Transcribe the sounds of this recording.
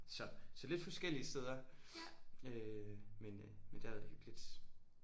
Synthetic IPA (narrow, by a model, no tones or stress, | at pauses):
sɒ̽sɒ̽le̝d̥fɒ̽sɡ̥el̰iəsteð̞ˠɐ | ømen | mend̥æɐʋæðˠhyɡ̥lid̥